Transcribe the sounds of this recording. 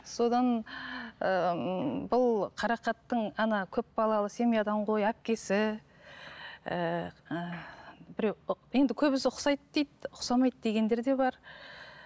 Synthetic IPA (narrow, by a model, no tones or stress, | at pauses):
so̞d̪ɑn | əbʊlˠqʰɑɾɑqɑt̪ːəɴɑnɑkʲʰɵp̚bɑlˠɑlˠəse̞mijad̪ɑɴqʰo̞jæp̚kʲe̞sɪ | bɪɾewje̞nd̪ɪkʲʰɵβɪsʊqsɑjt̪d̪ejt̪ʊqsɑmɑjt̪d̪e̞ɡʲe̞nd̪e̞ɾd̪e̞bɑɾ